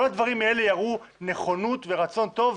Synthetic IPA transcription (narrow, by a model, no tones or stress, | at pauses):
olad̪vaʁimae̞le̞jaʁune̞χo̞nut̪ve̞ʁat͡so̞nt̪o̞v